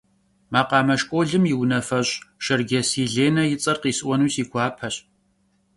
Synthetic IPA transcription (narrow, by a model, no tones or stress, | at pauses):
maːqɑːmɐʃkʷʼoːɮɨmjɪwnɐfɐɕʼʃɐrɡʲɐsiːɮeːnɐjɪt͡sʼɐrqiːsɨʔʷɔnuːsiːɡʷɑːpʰɐɕ